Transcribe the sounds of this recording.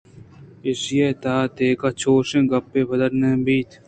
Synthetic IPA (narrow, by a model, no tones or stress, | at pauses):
ɪsjeːt̪aːt̪eːkaːt͡ʃʰoːʃẽːɡɐpːeːbɐd̪əɾnẽːbiːt̪ʰ